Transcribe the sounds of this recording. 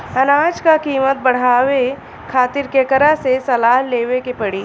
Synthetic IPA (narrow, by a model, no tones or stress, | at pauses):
ɐnaːd͡ʒkakiːmət̪̚bɐɽ̤aːwe | kʰaːt̪ɪɾkekəɾasesɐlaːɦleːwekepɐɽiː